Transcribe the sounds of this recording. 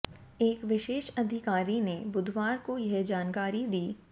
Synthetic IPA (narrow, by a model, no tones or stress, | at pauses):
eːkʋɪʃeːʃɐd̪ʱɪkaːɾinebʊd̪ʱwaːɾkojɐɦd͡ʒaːnkaːɾid̪iː